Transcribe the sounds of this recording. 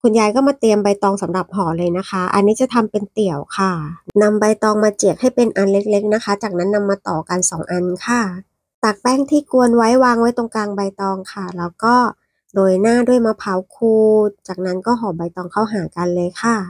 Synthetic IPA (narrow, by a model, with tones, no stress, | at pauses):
kʰu˧njaː˧jkɔː˥˩maː˧t̪i˧əmba˧jt̪ɔː˧ŋsa˩˦mɾa˨˩p̚ɦɔː˨˩˦lɤː˧jna˦˥kʰa˦˥ʔa̰˧nːiː˦˥t͡ɕa˨˩t̪ʰa˧mpe˧nt̪i˨˩əwkʰa˥˩na˧mba˧jt̪ɔː˧ŋmaː˧t͡ɕi˨˩ək̚ha˥˩jpe˧nʔa˧nle˦˥k̚le˦˥k̚na˦˥kʰa˦˥t͡ɕaː˨˩k̚na˦˥nːa˧mːaː˧t̪ɔː˨˩ka˧nsɔː˩˦ŋʔa˧nkʰa˧˩ | t̪a˨˩k̚pɛː˥˩ŋt̪ʰiː˥˩ku˧ənwa˦˥jwaː˧ŋwa˦˥jt̪o˧ŋkaː˧ŋba˧jt̪ɔː˧ŋkʰa˥˩lɛː˦˥wkɔː˥˩ | doː˧jnaː˥˩du˥˩əjmaː˧pʰa˨˩˦wkʰuː˧t̪̚t͡ɕaː˨˩k̚na˦˥nkɔː˥˩ɦɔː˨˩˦ba˧jt̪ɔː˧ŋkʰa˥˩wɦaː˩˦ka˧nlɤː˧jkʰa˥˩